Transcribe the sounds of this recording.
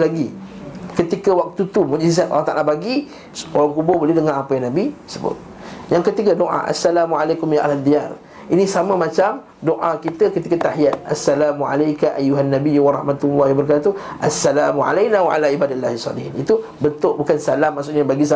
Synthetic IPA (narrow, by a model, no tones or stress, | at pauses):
laɡikət̪ikawak̚t̪ut̪umũd͡ʒizat̪ʔa̰lːɑht̪a̰ʔalabaɡi | ʔoɾaŋkubʊhbolehdəŋanapajaŋnabisəbʊ̰t̪̚ | jaŋkət̪ikadoʔa̰ʔa̰sːalamualajkʊmjaʔalad̪ial | inĩsamə̃mat͡ʃam | doʔakit̪əkət̪ikat̪aɦiat̪̚ʔa̰sːalamuʕa̰lajkaʔajuɦanːabiuwaɾˤɑhmat̪ulːɑhjabəɾk̬aat̪uʔasːalamuʕa̰lajnawaʔa̰laibadalːahisˤːɑ̰lɪhnit̪u | bənt̪ʊʔbukansalamːaʔsʊʔɲabaɡis̬a